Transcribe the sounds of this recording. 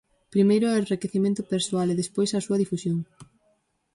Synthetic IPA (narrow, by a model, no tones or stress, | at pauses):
pɾimejɾʊarekeθimẽnt̪ʊpeɾsoaleðespojsɐsuɐðifusjoŋ